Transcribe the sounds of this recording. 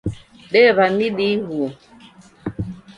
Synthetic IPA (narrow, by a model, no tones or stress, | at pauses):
ɗɛβamiɗiɣu